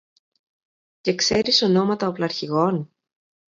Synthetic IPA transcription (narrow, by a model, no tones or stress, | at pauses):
ce̞kse̞ɾiso̞no̞mɐt̪ɐoplɐɾçiɣo̞n